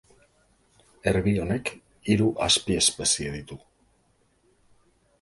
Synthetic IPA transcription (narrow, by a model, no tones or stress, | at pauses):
e̞ɾβio̞ne̞k | iɾuʔaspie̞spe̞sieðit̪u